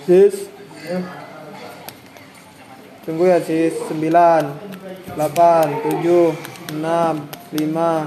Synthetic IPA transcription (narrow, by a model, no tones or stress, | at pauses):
sis | t͡ʃuŋɡujasisːəmbilanlapant̪ud͡ʒuhənamlima